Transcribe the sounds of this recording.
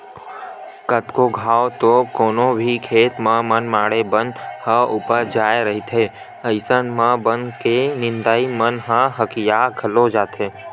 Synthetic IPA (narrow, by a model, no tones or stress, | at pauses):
kət̪koɡʱaːot̪okoːnõbʱikʰeːt̪mãmənmaːɽebə̃nd̪həʊpəɾd͡ʒaːeɾəɦit̪ʰe | əɪsənmãbənkenɪ̃nd̪aːimənɦãɦəkijakʰəlod͡ʒaːt̪eː